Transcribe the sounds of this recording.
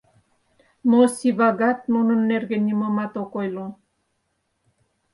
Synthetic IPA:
mosiβaɡat̪̚mununːerɡenimomat̪okojlo

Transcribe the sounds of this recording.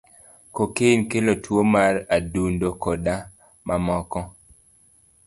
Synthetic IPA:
kokenkelotwomaɾadundokɔda | mʔamɔkɔ

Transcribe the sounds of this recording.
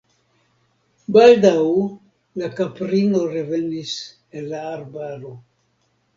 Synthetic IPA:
baldaw | lakapɾino̞ɾeve̞nis | enlaːɾbaɾo̞

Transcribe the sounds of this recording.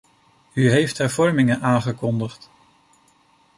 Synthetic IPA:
yɦejftɦɛɹvɔɹmɪŋənʔaːnχəkɔndəχt

